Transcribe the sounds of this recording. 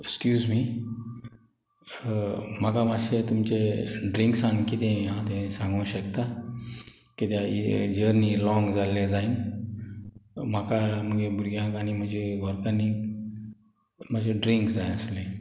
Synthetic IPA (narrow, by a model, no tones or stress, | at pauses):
kskjuːzmi | m̤akamaset̪umt͡ɕeɖɾiŋksankit̪ẽɦãt̪ẽsãŋɡəɕəkt̪a | kit̪jaḭd͡ʑəɾnilɔ̃ŋɡd͡zaled͡zain | m̤akam̤əɡebuɾɡjãkanim̤əd͡ʑʱeɡʱɔɾkani | mad͡ʑeɖɾiŋksd͡zajəslẽ